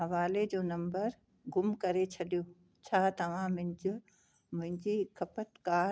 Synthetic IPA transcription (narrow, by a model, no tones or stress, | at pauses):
ɦɐʋaːled͡ʑoːnɐ̃mbəɾ | ɡʊmkɐɾet͡ɕʰɐɗijoː | t͡ɕʰaːt̪ɐʋ̤ãmʊ̃ɲd͡ʑɪ | mʊ̃ɦɪ̃ɲd͡ʑikʰɐpət̪kaː